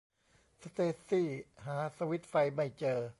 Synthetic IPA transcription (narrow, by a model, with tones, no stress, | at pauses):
sa˧t̪eː˧˩siː˥˩ɦaː˩˦sa˧wi˦˥t̪̚fa˧jma˥˩jt͡ɕɤː˧